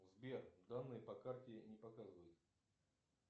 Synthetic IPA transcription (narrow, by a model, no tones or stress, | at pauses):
zbʲervd̪anːɨjəpɐkartʲɪnʲɪpɐkazɨvəjʊt̪